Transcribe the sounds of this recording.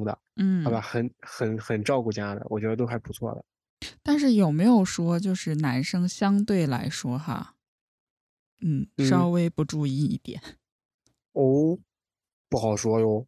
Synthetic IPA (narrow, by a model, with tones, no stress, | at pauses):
ŋd̪ə̰˨n̩˥˩˥ɪba˧˩xə˨˧˩nxə˨˩nxə˨˩nʈ͡ʂɑ˥˧ʊku˥˩t͡ɕja˥d̪ə̰˩wɔ˨˩t͡ɕɥɛ˧˥d̪ə˧t̪o˥xa˧˥ɪpu˧˥t͡sʰwɔ̰˥˩d̪ə̰˩ | t̪a˥˧nʂ̬ɻ̩˥˩jo˨˩ʊme˧˥ɪjo˨˩ʊʂwɔ˥t͡ɕjo˥˧ʊʂɻ̩˥˩na˧˥nʂɤ˥ŋɕjɑ˥ŋt̪we˥˩ɪla̰˧˥ɪʂwɔ˥xa̰˥˧ | n̩˥˩nʂɑ˥ʊwe˥ɪpu˧˥ʈ͡ʂu˥˧i˥˧ḭ˥˩t̪jɛ̰˨˩˦n | o˥˩ʊ | pu˥˩xɑ˨˩ʊʂwɔ˥jo˧˥ʊ